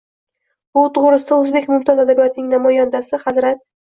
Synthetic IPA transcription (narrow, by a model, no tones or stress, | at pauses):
bʊt̪ʰʊʁɾɪsɪd̪aɵzbekʲmʊmt̪ʰɒzad̪abijɒt̪nɪŋnamɒjand̪asɪhazɾat̪̚